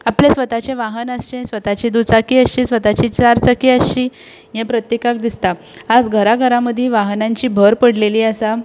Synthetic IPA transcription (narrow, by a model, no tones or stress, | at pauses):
apljesʋət̪at͡ɕẽʋaɦənəsɕẽsʋət̪at͡ɕiːd̪ut͡sakiːəɕiːsʋət̪at͡ɕiːt͡saɾt͡sakiəɕiː | jẽpɾət̪jekak̚d̪ist̪aːd͡zɡʱəɾaɡʱəɾaməd̪ʱjeʋaɦnãɲt͡ɕiːbʱəɾpəɽleliːəsa